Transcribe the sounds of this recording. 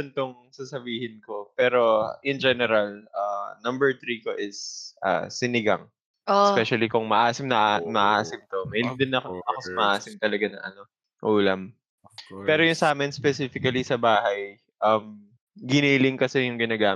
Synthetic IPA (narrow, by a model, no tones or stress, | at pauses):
ɐnt̪oŋ | sasɐbiːhɪnko̞pɛːɾo̞ʔɪnd͡ʒɛnɛɾalʔaːnɐmbɛɹt̪ɾiːkoʔɪsʔa̰ːsɪnɪɡaŋ | ʔospɛʃɐlikʊŋmɐʔaːsɪmnɐʔamɐʔaːsɪmt̪omɐhɪlɪŋd̪ɪnːɐkɐkɐsmɐʔaːsɪmt̪ɐlɐɡanɐ̰ŋʔɐ̰no̞ | ʔuːlɐm | pɛːɾojʊŋsaːmɪnspɛsifɪkɐlisɐbaːɦɐj | ʔɐm | ɡɪniːlɪŋkɐsɛjʊŋɡɪnaːɡaː